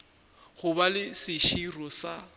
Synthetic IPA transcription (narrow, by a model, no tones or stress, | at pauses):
ɣʊbalɪsɪʃirɔsa